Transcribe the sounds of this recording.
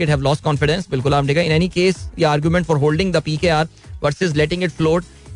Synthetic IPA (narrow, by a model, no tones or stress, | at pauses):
ɪʈɦɛʋlɔːsʈ̚kɔ̃ːnfɪɖɛ̃nsbɪlkʊlaːm̚ʈikəɪ̃nɛnikeːsjəaːɾɡjumɛ̃ɳʈfɔːɾɦoːlɖɪ̃ŋd̪əpiːkeaːɾ | ʋɐɾsɪzlɛʈɪ̃ŋɡɪʈfloːʈ